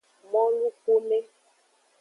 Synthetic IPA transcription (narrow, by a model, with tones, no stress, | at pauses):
mɔ̃˦lu˦ko˦me˦